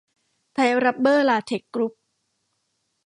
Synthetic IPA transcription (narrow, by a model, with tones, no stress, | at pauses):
t̪ʰa˧˥jɾa˦˥p̚bɤː˥˩laː˧˩t̪ʰe˨˩kːɾu˦˥p̚